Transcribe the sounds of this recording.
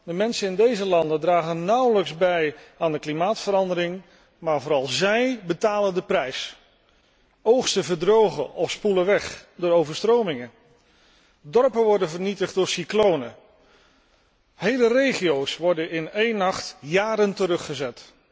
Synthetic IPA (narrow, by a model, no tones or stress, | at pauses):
d̥əmɛnsənɪndejzəlɑndəndraːχənːʌwləkzbɛjaːndəklimaːtfəɾɑndəɾɪŋ | maːɹvʊːɾɑlˠzɛjbətaːləndəprɛjs | owχstəvəɹdrowχəʔɔfspuləʋɛχdʊːɹowvəɹstrowmɪŋə | dɔɹpənʋɔɹdənvəɹnitəχd̚dʊːɹsiklownə | hejlərejχijowsʋɔɹdənɪnejnɑχtjaːɾəntəɾɵχəzɛt